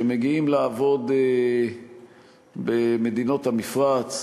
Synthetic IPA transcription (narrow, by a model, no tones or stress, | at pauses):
emeɡiimlaːvo̞d̪e | beme̞d̪ino̞t̪hamifʁat͡s